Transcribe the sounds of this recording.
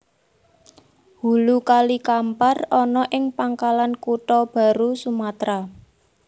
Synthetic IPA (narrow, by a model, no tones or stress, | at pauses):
hṳlukalikamparɔnɔʔɪŋpaŋkalankuʈɔb̥ä̤ɾusumat̪ɾa